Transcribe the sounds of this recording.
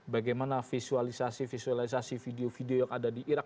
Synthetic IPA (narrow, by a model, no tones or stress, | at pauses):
baɡajmanafisualisasifisualis̬asifideofideojaŋadadiʔiɾak̚